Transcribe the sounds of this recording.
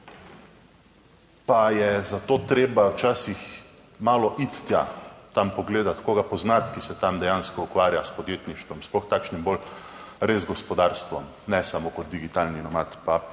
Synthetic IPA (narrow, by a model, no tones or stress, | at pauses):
pajɛzat̪oːt̪ɾeːbawt͡ʃaːsix | maːlɔʔit̪ːjat̪ampɔɡleːd̪at̪koːɡapɔznat̪kisɛt̪amd̪ɛjanskɔukʋaːɾjaspɔd̪jeːt̪niʃt̪ʋɔmsplɔxt̪aːkʃnimbol | ɾeːzɡɔspɔd̪aːɾst̪ʋɔm | nɛsamoːkɔt̪̚d̪iɡit̪aːlninɔmat̪pa